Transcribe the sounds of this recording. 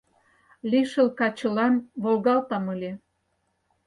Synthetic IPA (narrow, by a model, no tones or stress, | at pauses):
liʃəlkɑt͡ɕə̆lɑnβolɣɑlt̪ɑməlʲe